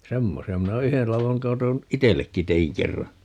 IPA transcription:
semːosiɑ minæ o yhel lɑʋoŋ kɑton itelːekːi teiŋ kerːɑ

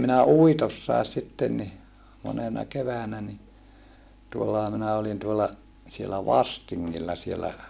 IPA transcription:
minæ uitosːɑˑes sitːen ni monenɑ keʋæːnæ ni tuolːɑhɑ minæ olin tuolːɑ sielæ ʋɑstiŋːilːɑ sielæ

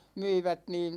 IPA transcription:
myiʋæt niːn̞

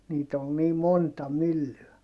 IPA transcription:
niːt ol niː montɑ mylːyæ

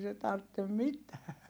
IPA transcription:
se tɑrtːem mitæː

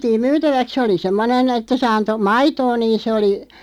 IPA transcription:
ʋiætiːm myːtæʋæk se oli semːonen etːæ se ɑnto mɑitoː niːn sĕ oli

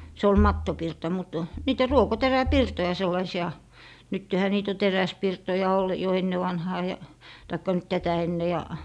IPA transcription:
se ol mɑtːopirtɑ mut niːtæ ruokoteræpirtojɑ selːɑisiɑ nytːehæ niːt o teræspirtojɑ ol jo enːeʋɑnhɑː jɑ tɑikːɑ nyt tætæ enːe jɑ

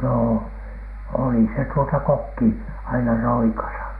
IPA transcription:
noː oli se tuotɑ kokːi ɑinɑ roikɑsɑ

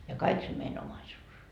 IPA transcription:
jɑ kɑik se mein omɑisuːs

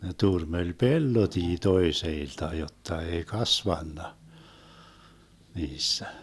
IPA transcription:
ne turmelʲ pelːotiː toeseiltɑ jotːɑ ei kɑsʋɑnːɑ niːsːæ

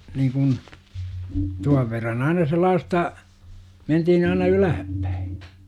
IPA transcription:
niːkun tuɑʋ ʋerːɑn ɑinɑ selˑɑːstɑ mentihin ɑinɑ ylæhæpːæ̥i̥

